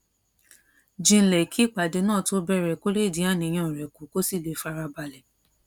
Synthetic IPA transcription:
d͡ʒĩ˧n̩˦lɛ˨kʰi˨˦k͡pa˨de˨˧˦nãː˦˨to˧˦bɛ˦˨ɾɛ˨ko˦le˦˨dĩ˨˦a˦˨nĩ˧j̃ã˦˧˨ɾɛ˨ku˨˦ko˦si˦˨le˨˧fa˧ɾa˧ba˧lɛ˨

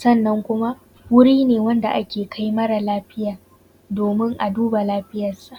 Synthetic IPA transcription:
sɐ˦˨nːɐ˦ŋkʷʊ˦ma˦ʔ | wʊ˦ɽiː˦neː˨wɐ˦nda˨ʔa˦kʲeː˨kʰa˦jmɐ˦ɽa˨laː˦ɸɪ˦jaː˨ | doː˨mɪ˦ŋʔa˨duː˦ba˨laː˦ɸɪ˦jɐ˨sa˨ʔ

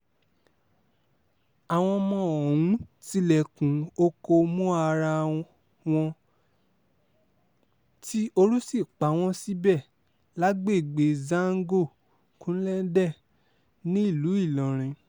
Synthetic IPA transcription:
a˨w̃ɔ̃˧mɔ̃˧ɔ˨ũ˨˦ti˧lɛ˨kũ˨˦o˧ko˧mũ˦a˧ɾa˧ | w̃ɔ̃˧ | ti˦ʔo˧ɾu˦si˦˨k͡pa˨˦w̃ɔ̃˧si˦bɛ˦˨ | la˦ɡ͡be˦˨ɡ͡be˨˦zã˦ŋ̩˦ɡo˦˨ | kũ˦lɛ˦n̩˦dɛ˦˨ | nĩ˦i˦˨lu˨˦i˦˨lɔ̃˨ɾ̃ĩ˨˧

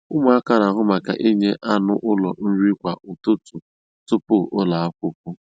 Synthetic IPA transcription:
ʊ˦m˦a˦ka˦˨na˨ɦʊ˦ma˨ka̰˨ʔi˦ɲe˦ʔa˦nʊ˦ʔʊ˦lɔ˨n̩˦ɾi˦kʷa˨ʔʊ˨tʊ˦tu˨ | tʊ˦pʊ˦ʔʊ˦la˨a˦kʷʊ˦p̚ʊ˦

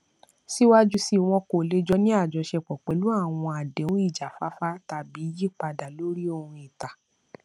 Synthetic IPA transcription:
si˦wa˦d͡ʒu˦si˦w̃ɔ̃˧ko˨le˦d͡ʒɔ˦nĩ˦a˦˨d͡ʒɔ˧ʃɛ˧k͡pɔ˨k͡pɛ˨˦lu˦a˦˨w̃ɔ̃˧a˨dɛ˨˦ũ˦i˦˨d͡ʒa˨fa˦fa˦ta˧bi˨˦ji˦k͡pa˧da˨lo˦ɾi˦o˦˨hũ˧i˨ta˨

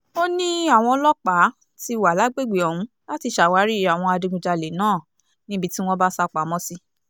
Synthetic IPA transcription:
o˦nĩ˦a˦˨w̃ɔ̃˧˦lɔ˦k͡pa˨˦ | ti˧wa˨la˨˦ɡ͡be˦˨ɡ͡be˨ɔ˨hũ˧˦ | la˦ti˧ʃa˨wa˨˦ɾi˦a˨w̃ɔ̃˧a˧dũ˧ɡũ˧d͡ʒa˧le˨˦nãː˦˨ | nĩ˦bi˧ti˦w̃ɔ̃˦ba˦sa˧k͡pa˨˦mɔ̃˦si˧

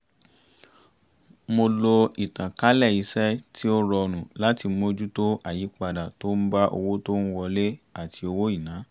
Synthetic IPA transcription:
mo˧lo˧i˨tã˨ka˦lɛ˦˨i˧˦sɛ˦ti˦o˦ɾɔ˧nũ˨la˦ti˧mo˧d͡ʒu˦to˦ʔa˦˨ji˨˦k͡pa˧da˨to˦n̩˦ba˦ʔo̰˧wo˦to˦ñ̩˦wɔ˧le˦a˦˨ti˧o˧wo˦i˦˨nã˨˦

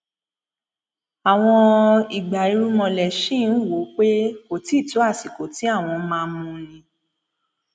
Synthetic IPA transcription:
a˨w̃ɔ̃˧i˨ɡ͡ba˨i˨˦ɾu˦mɔ̃˧lɛ˨ʃĩ˦˨˦n̩˦˨wo˨˦k͡pe˦ko˨ti˨˦˨ti˨˦a˦˨si˨ko˨˦ti˨˦a˦˨w̃ɔ̃˧mãː˧˦mũ˧nĩ˧

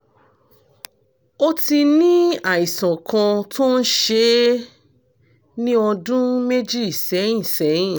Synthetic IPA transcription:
o˦ti˧nĩ˦a˦˨i˨sã˨kã˧tʰo˦n̩˦ʃe˧˦ | nĩ˦ɔ˧dũ˦me˦d͡ʒi˦i˦˨sɛ˨˦jĩ˦˨sɛ˨˦jĩ˦˨

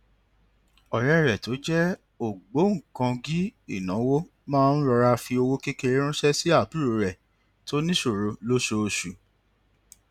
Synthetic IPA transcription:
ɔ˨ɾɛ˦˨ɾɛ˨to˨˦d͡ʒɛ˦ | o˦˨ɡ͡bo˨˦ŋ̩˨kã˧ɡi˦i˦˨nã˨˦wo˦ | mãː˦˧n̩˦ɾɔ˧ɾa˧fi˧o˧wo˦ke˦ke˧ɾe˦ɾ̃ũ˦ʃɛ˦si˦a˦˨bu˦ɾo˧ɾɛ˨ | to˦nĩ˦ʃo˦˨ɾo˨˧lo˦ʃo˧ʃu˨˦

